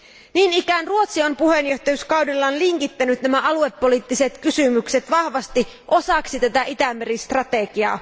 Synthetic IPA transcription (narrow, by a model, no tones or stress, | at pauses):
niːnikænruo̞t̪siompuhe̞njo̞ht̪ɑjyskɑwdilːɑnliŋkit̪ːænyt̪næmæʔɑlue̞pːo̞liːt̪ːiset̪kysymykset̪ʋɑhʋɑst̪i | ʔo̞sɑksit̪æt̪æʔit̪æmːeɾist̪rɑt̪eɡiɑ̰ː